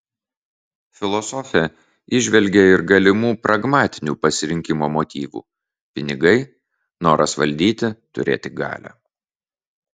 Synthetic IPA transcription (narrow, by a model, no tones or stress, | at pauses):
fʲɪlˠɔsɔfʲɛ | ɪʒʲʋʲɛlʲɡʲeɪɾɡɐlʲɪmuːpɾʔɐɡmɑːt̪ʲɪnʲuːpɐsʲɪɾʲɪŋʲkʲɪmoːmot̪ʲiːʋṵː | pʲɪnʲɪɡɐɪ | noːɾɐsʋɐ̰lʲd̪ʲiːt̪ʲɪt̪ʊ̰ɾʲḛːt̪ʲɪɡɑ̰ːlʲæ̰